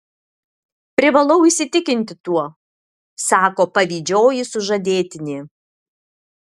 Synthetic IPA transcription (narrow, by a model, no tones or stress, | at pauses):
pʲɾʲɪʋɐlˠɐʊisʲɪt̪ʲɪkʲɪnʲt̪ʲɪt̪uɔ | sɑːkoːpɐʋʲiːd͡ʒʲoːjɪsʊʒɐd̪ʲeːt̪ʲɪnʲeː